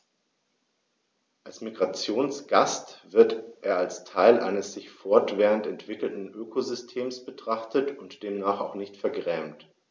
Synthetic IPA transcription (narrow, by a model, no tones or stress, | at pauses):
ʔalsmiɡʁat͡sjoːnsɡ̥astv̥ɪɐtʔeːɐalstʰaɪlʔa̰ɪnəsz̥ɪçfɔɐtv̥ɛːʁəntɛntv̥ɪkl̩tn̩ʔøːkʰozʏstʰeːmsb̥ətʁ̥aχtətʊntd̥eːmnaːχa̰ʊxnɪçtfɛɐɡʁɛːmt